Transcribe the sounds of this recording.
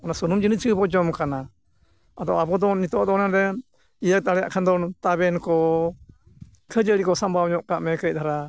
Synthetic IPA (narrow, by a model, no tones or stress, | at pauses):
ɔnasunumd͡ʒinit͡ʃʰɨbɔd͡ʒɔmkana | ad̪ɔabɔd̪ɔnit̪ɔʔd̪ɔnad̪ɛ | ijək̚t̪aɽɛja̰ʔkʰand̪ɔnt̪abɛnkɔ | kʰəd͡ʒəɽikɔsambawɲɔʔkaʔmɛkəj̚d̪ʰaɾa